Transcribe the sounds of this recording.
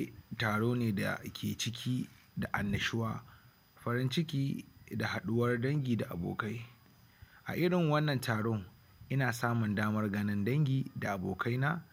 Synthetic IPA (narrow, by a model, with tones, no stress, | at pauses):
taː˨ɽoː˦neː˨da̰˨kʲʰeː˨t͡ʃɪ˦k̬ʲʰiː˦ | da˨ʔa̰˨nːɐ˨ʃɪ˦waː˦ | ɸɐ˦ɾɪ˦nt͡ʃɪ˦kʲiː˦da˨ha˨ɗʊ˦wɐ˦rdɐ˦ŋɡʲiː˨da˨ʔa̰˨bo̰ː˨ka˦j | ʔa̰˨ʔɪ˦ɽɪ˨ŋwɐ˦nːɐ˨ntʰaː˨ɽo˦ŋ | ʔɪ˦naː˨saː˦mʊ˨ndaː˦mɐ˦rɡɐ˦nɪ˦ndɐ˦ŋɡʲiː˨da˨ʔa˨bo̰ː˨kʰa˦jnaː˦